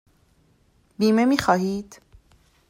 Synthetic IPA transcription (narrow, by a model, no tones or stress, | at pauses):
biːme̞miːxɒːɦiːd̪̥